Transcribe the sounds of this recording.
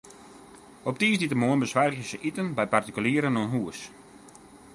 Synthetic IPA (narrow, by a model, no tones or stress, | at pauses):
ɔp̚tiːsditəmoənbəswarəəsəʔitənbɛjpartikyliːəɾənoənɦuəs